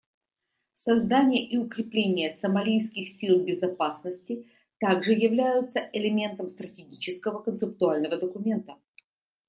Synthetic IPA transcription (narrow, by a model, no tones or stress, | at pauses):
sɐzd̪anʲɪjəʔiʊkɾʲɪplʲenʲɪjəsəmɐlʲijskʲɪxsʲilˠbʲɪzɐpasnəsʲtʲɪ | t̪aɡʐɨjɪvlʲæjʊt̪səʔɪlʲɪmʲe̞nt̪əmst̪ɾətʲɪɡʲit͡ɕɪskəvəkənt̪sɨp̚t̪ʊalʲnəvəd̪əkʊmʲe̞nt̪ə